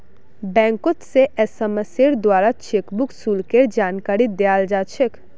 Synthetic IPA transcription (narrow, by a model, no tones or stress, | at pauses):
bɛ̃ːŋkot̪seʔɛsəməseɾd̪waːɾat͡ʃʰeːkbʊksuːlkeɾd͡ʒaːnkaːɾid̪eaːld͡ʒaːt͡ʃʰək